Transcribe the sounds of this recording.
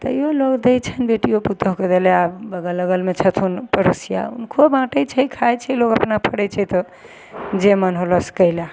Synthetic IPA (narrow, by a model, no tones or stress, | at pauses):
t̪əjoloɡd̪ɛjt͡ʃʰənbeʈijoput̪əɦked͡ʒeleabəɡələɡəlmet͡ʃʰət̪ʰunpəɾosija̰unkʰobãʈət͡ʃʰəkʰajt͡ʃʰɛlokəpnapʰəɽət͡ʃʰɛt̪ɔ | d͡ʒemənɦoləskəɪla